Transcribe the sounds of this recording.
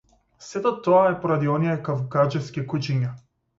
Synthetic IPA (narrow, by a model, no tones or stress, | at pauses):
sɛt̪ɔt̪ɔaɛpɔɾad̪iɔnijɛkavɡad͡ʒɛfskʲikut͡ʃiɲa